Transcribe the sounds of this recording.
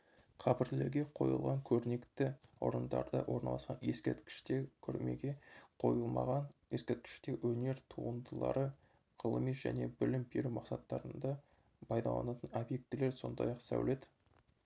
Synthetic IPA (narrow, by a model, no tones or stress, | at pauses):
qʰɑpɪɾle̞ɾɡʲe̞qʰo̞̰jə̰lˠʁɑŋkʲʰɵɾne̞kt̪ɪwo̰ɾənd̪ɑ̰ɾd̪əwʔo̞ɾnɑ̰lˠɑsqɑnjeskʲeɾt̪kʲɪ̥ʃt̪ekʲʰɵɾme̞̰ɡʲe̞qʰo̞jəlˠmɑʁɑnjeskʲeɾt̪̚kʲɪ̥ʃt̪e̞wɵne̞ɾt̪ʰuənd̪əlˠɑ̰ɾə | qʰəlˠəmisʒ̥æ̰ne̞bɪlɪmbeɾumɑqsɑt̪ːɑɾənd̪ɑ | pʰɑjd̪ɑ̰lˠɑ̰nɑt̪əno̞bje̞k̚t̪ːɪle̞ɾso̞̰nd̪ɑjɑqsæ̰wle̞d̪ɪ